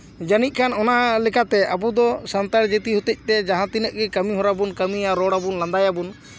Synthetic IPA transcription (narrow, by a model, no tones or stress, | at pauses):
d͡ʒanit̪̚ˀkʰanɔnalɛkat̪ɛʔabud̪ɔsant̪aɾd͡ʒət̪iɦut̪əc̚ˀt̪ɛd͡ʒaɦãt̪inəʔ̚ɡɛkəmiɦɔ̃ɾabunkəmiaɾɔɽabunlãnd̪ajabun